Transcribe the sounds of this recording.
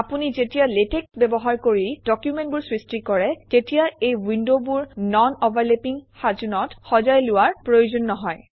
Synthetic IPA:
apunizetijaletek̚bɛbɔɦaɹkoɹid̥ɔkjumẽnt̚buɹsɹistikɔɹɛtetijaejwindobuɹnɔnobaɹlepiŋxazunɔtxɔzajlʊwaɹpɹojozɔnːɔɦɔj

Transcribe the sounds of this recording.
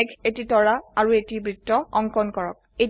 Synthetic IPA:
ɛkʰetitɔɹaaɹuetibɹitːɔɔŋkɔnkɔɹɔ̰k̚e

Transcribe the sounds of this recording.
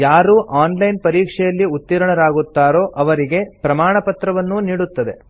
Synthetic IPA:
jaːɾuːʔaːnlɐjnpɐɾiːkʂɛjɐlːiut̪ːiɾɐɳɐɾaːɡut̪ːaːɾo̞ːʔɐʋɐɾiɡe̞pɾɐmaːɳɐpɐt̪ɾɐʋɐnːuniːɽut̪ːɐd̪e̞

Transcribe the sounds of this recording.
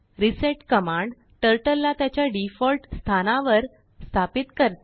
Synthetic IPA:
ɾiseʈkəmãɳɖ | ʈəɾʈəlːat̪jat͡ɕjaɖifɔlʈst̪ʰanaʋəɾ | st̪ʰapit̪kəɾt̪

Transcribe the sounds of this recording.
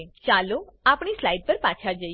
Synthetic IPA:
t͡ʃaloapɳ̃islajɖ̚pəɾpat͡ʃʰad͡ʒə

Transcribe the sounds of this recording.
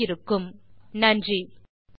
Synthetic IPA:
ɪɾɯkːɯmnɐndri

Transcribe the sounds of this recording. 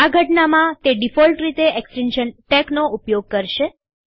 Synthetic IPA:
aɡʱəʈnamãt̪eɖifɔlʈɾit̪eʔeksʈinʃənʈɛknoupjoɡ̚kəɾʃe

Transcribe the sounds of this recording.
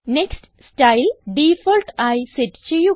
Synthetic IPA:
neksʈ | sʈɐjlɖifoːlʈajsiʈt͡ɕeju

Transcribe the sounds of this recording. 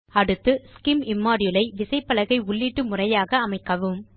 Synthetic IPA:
ɐɽɯt̪ːɯskɪmɪmːaːɾɪjɯlɐɪʋɪsɐɪpːɐlɐɣɐɪʊɭːiʈːɯmʊrɐjaːɣɐːmɐɪkːɐʋɯm

